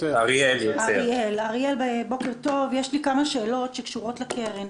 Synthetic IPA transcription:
aʁieljoaeielaʁielbebo̞ke̞ʁto̞vjeʃlikamaʃeːlo̞tʃekʃuʁo̞tlekeʁin

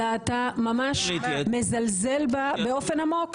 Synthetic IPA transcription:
aːtamamaʃmezalzelbabeo̞fe̞namok

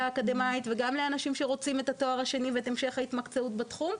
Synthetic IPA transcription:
aːkad̪e̞mait̪veɡamleanaʃimʃe̞ʁo̞t͡simet̪ato̞aʁaʃe̞niveet̪emʃe̞χait̪makt͡seutbat̪χum

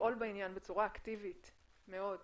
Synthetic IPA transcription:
ʔolbeinjanbet͡suʁaːktivit | me̞o̞d

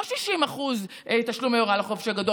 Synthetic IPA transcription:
ʃiʃimaχuz | ʔet̪aʃlumajoʁalaχofʃaɡado

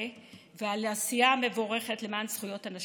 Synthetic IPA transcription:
vealeasijame̞vo̞ʁe̞χe̞tlemansχujo̞tanaʃ

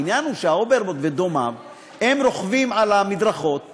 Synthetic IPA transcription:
injanuʃeaobeɾbot̪ved̪o̞mav | he̞mɾo̞χvimalamid̪ʁaχo̞t̪

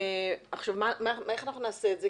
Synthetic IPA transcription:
aχʃuvmamamaeχanaχnunaːseːtze

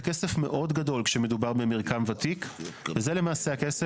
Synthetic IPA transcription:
kesefme̞ʔo̞dɡado̞lkʃeme̞dubaʁbemiʁkamvatikvezelemaːseakese

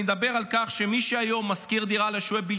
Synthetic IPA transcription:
ed̪abe̞ʁalkaχʃe̞miʃeajo̞mːazkiʁd̪iʁaleʃuebi

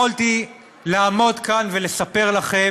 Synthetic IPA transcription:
olt̪i | laːmo̞d̪kanve̞le̞sape̞ʁlaχe

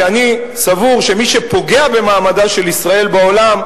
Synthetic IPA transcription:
ani | savuʁʃe̞miʃe̞po̞ɡe̞abe̞maːmadaʃe̞lisʁae̞lbao̞lam

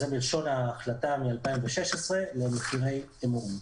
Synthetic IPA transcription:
zebilʃo̞naːχlat̪amialpaimveʃeʃesʁe̞le̞meχiʁe̞j | emum

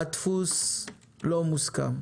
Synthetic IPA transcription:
at̪fus | lɔmuska̰m

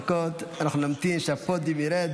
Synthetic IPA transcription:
kot̪anaχnunamt̪imʃafot̪̚bimiɾed

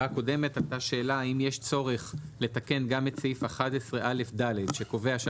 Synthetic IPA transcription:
ako̞de̞me̞tataʃe̞ːlaaimjeʃt͡so̞ʁe̞χle̞t̪ake̞nɡamet͡sifaχatesʁeʔale̞fdaledʃe̞ko̞ve̞aʃa

